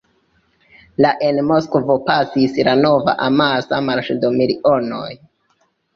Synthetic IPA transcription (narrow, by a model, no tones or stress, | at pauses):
laʔenmo̞skvo̞pasislano̞va̰ʔamasamaɾʃdomiliʔo̞no̰j